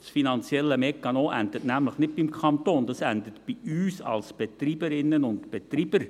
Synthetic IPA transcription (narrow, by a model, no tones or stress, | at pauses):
sfinɑnt͡sjɛlːəmɛkːɑnoːʔændətnæmləχnɪt̚bɪmkʰɑnt̪oːnd̥ɑsændətb̥iyːsɑ̰lsb̥etɾiːbəɾɪnːənʊntb̥ɛt̪ɾiːb̥əɾ